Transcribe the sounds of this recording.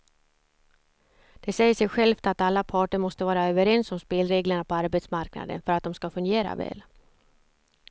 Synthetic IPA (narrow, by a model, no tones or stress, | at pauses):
d̪̥ɛsɛjːəsʂɛjɧɛlft̪at̪alːapʰɑːʈəɾmɔst̪əvɑːɾaøːvəɾɛnsɔmspeːlɾeːɡləɳapʰɔaɾbet̪smaɾkna̰d̪ə̰nfœɾat̪̚d̪ɔmskafɵŋɡeːɾa̰vɛ̰ːl